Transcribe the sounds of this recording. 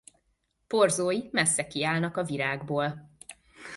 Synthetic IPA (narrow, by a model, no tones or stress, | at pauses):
po̞rzoːjimɛsːɛkiaːlnɒkɒviɾaːɡboːl